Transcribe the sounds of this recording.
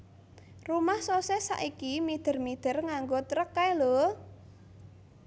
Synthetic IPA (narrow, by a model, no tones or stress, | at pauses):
rumahsosesa̰ʔikimid̪̥ə̤rmid̪̥ə̤rŋaŋɡot̪ɾəkːajlo